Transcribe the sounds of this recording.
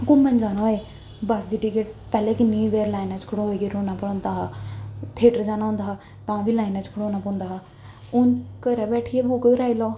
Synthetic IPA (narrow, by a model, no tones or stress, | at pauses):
kʊmə̃nd͡ʒaːnaːeː | bəsd̪iːʈɪkeʈ̚pɛːlɛːkinĩːd̪eːɾlaːɪnaːt͡ʃkʰəɽõːɦoeːɡeːɾoːnaːpəɽõːnd̪aː | t̪ʰeːʈəɾd͡ʒaːnaːɦʊ̃nd̪aː | t̪ãːʋiːlaːɪnãːt͡ʃkʰəɽoːnaːpõːnd̪aːɦaː | ʊnkəɾɛːbɛːʈʰiːɛːbukədɾaːilɔː